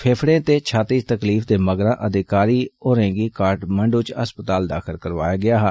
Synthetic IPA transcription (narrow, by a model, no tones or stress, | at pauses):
pʰeːpʰɽẽːt̪eːt͡ʃʰaːt̪iːt̪əkliːfd̪eːməɡɾãːʔəd̪ɪkaːɾiːoːɾɛ̃ːŋɡiːkaːɾʈməɳɖɪt͡ʃə̰spət̪aːld̪a̰ːkʰəlkəɾʋa̰ːjaːɡɪaːɦː